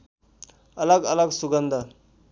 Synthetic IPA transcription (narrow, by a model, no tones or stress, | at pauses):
ələɡələɡsuɡənd̪ʱa